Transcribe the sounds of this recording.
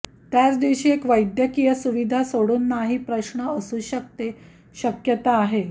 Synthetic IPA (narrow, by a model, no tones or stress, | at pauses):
t̪jat͡sd̪iʋɕiːekʋəjd̪jəkijəsuʋid̪ʱasoɽuːnːaɦiːpɾəɕɳəəsuːɕək̚t̪e | ɕəkjət̪aːɦe